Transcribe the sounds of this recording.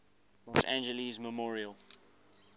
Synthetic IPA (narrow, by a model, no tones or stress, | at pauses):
lɔsã̰nd͡ʒəlizməmɔːɹiəlˠ